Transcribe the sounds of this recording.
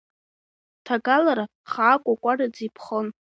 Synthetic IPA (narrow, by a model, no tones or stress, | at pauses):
tʰaɡalaɾa | χaːkʷʼakʷʼarad͡zipʰχən